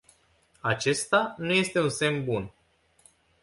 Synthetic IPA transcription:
at͡ʃe̞st̪anuje̞st̪e̞unse̞mbun

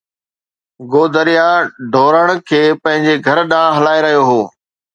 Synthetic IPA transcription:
ɡoːd̪əɾijaɖʱoːɾəɽ̃̆kʰeːpɐ̃ɦɪ̃ɲd͡ʑeɡʱɐɾɗãːɦɐlaːeɾɐɦijoɦoː

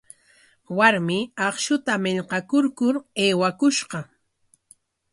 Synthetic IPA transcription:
waɾmɪɑχʃʊt̪amɪʎqɑkʊɾkʊɾeːwakʊʃɢɑ

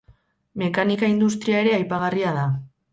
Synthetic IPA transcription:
me̞kanikaind̪us̬t̪ɾiae̞ɾe̞ajpaɣ̞ariaða

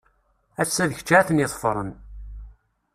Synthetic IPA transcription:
æsːæðəçə̥t͡ʃːʕθənjɪθˤfɾˤən

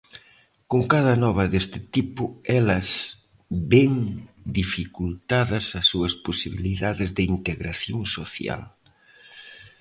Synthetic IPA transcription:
koŋkað̞ɐnɔβ̞ɐðest̪ɪ̥t̪ipʊɛlɐs | bɛŋd̪ifikult̪aðɐsɐsuɐsposiβiliðaðɪzðɪint̪eɣɾaθjoŋsoθja̰l

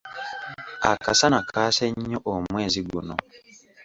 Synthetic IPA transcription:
a̰kasanakʰaːseɲːoʔomweːziɡṵno̰

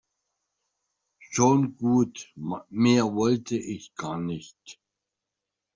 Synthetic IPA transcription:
ʃoːnɡuːt̪ʰmiɐvɔlt̪ʰəʔɪçɡ̥aːnɪçt̪

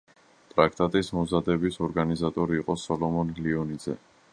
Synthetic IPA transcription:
t̪ʼɾak̚ʰt̪ʼat̪ʼismɔzad̪ɛbisɔɾɡanizat̪ʼɔɾiːqʼɔsɔlɔmɔnliɔnid̪z̥ɛ̰

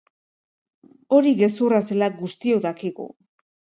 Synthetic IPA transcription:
o̞ɾiɣe̞surase̞lak̚ɡust̪ioðakiɣṵ

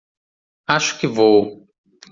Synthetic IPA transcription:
aʃʊ̥kɪvow

